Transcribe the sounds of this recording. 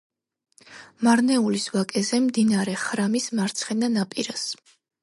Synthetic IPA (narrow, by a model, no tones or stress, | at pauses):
maɾnɛulisvakʼɛzɛmd̪inaɾɛχɾamismaɾt̪sʰχɛnanapʼiɾas